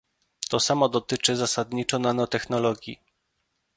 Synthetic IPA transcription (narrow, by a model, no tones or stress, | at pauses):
t̪ɔsamɔd̪ɔt̪ɘt͡ʂɘzasad̪ɲit͡ʂɔnanɔt̪ɛxnɔlɔɡʲjḭ